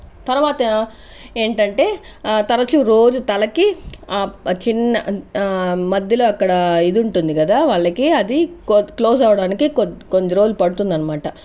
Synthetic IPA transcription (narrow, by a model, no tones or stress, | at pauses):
t̪ɐɾuʋaːt̪ɐ | eːɳʈɐɳʈe̞ː | t̪ɐɾɐt͡ʃuɾo̞ːd͡ʒut̪ɐlɐkiat͡ʃinːɐ | mɐd̪jɐloːɐkːɐɽɐid̪iuɳʈund̪iɡɐd̪aːʋaːɭːɐkiɐd̪iklo̞ːs̬aːʋɐɽaːnikikoɲd͡ʒɐɾoːd͡ʒlupɐɽut̪und̪ɐnːɐmaːʈɐ